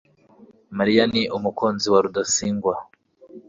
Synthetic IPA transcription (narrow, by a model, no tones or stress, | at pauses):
maɾijaniʔumukoːnziwaɾudasiːŋɡwa